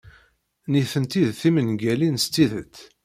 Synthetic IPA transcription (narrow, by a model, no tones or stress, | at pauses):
niθənt̪iðθimənɡælinst̪ːiðə̰t̪